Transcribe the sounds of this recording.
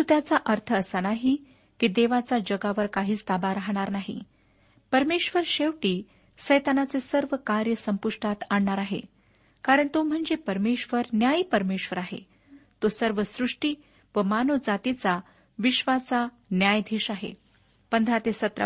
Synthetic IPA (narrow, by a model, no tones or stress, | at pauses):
ut̪jat͡saʔəɾt̪ʰəːsanaɦi | kiːd̪eʋat͡sad͡ʑəɡaʋəɾkaɦiːt͡st̪abaɾaɦɽ̃aɾnaɦḭ | pəɾmeɕʋəɾɕeʋʈiː | səjt̪anat͡sesəɾʋəkaɾjəsəmpuʂʈʰat̪aɳːaɾaɦḛ | kaɾəɳt̪om̤əɳd͡zepəɾmeɕʋəɾnjajipəɾmeɕʋəɾaɦḛ | t̪osəɾʋəsɾuʂʈi | ʋəmanod͡zat̪it͡sa | ʋiɕʋat͡sa | njajd̪ʱiːɕaɦḛ | pənd̪ʱɾat̪esət̪ɾa̰